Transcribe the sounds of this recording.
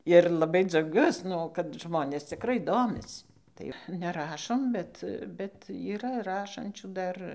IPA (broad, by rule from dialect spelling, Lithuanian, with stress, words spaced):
ɪr lˠɐˈbɐɪ d͡zɐʊˈɡʲuɔs ˈnʊ kɐt ˈʒmoːnʲeːs t͡sʲɪkˈrɐɪ ˈdoːmʲɪs tɐɪ ˈʋɐ nʲɛˈrɑːʃoːm ˈbʲɛt bʲɛt iːˈrɐ ˈrɑːʃɐnʲt͡ʃʲuː ˈdɐr